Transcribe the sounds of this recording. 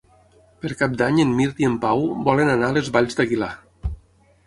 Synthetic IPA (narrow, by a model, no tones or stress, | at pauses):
pəɾkap̚d̪aɲenmiɾt̪iempawbɔlənanalezβaʎzd̪əɣila